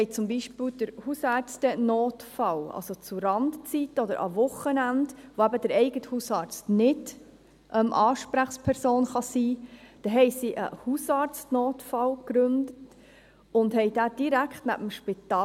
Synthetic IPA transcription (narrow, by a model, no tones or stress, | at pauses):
hɛɪjt͡sʊmbiʃpild̥əɾhusɑɾt͡stənoːtfɑlɑ̰lsot͡suɾɑndt͡sitɔd̪əɾʔɑ̰vʊχənændʋoæbəd̥əɾɛɪɡəthusɑːɾt͡stnɪd | ʔœmʔɑːʃpɾæχspʰɛɾsoːnχɑsiːd̥ɛɦɛɪsiʔə̰husɑːɾt͡stnoːtfɑlkɾʏndət | ʊndhɛɪd̥æːd̥iɾækʰχtnæ̰bəm̩ʃpit̪ɑː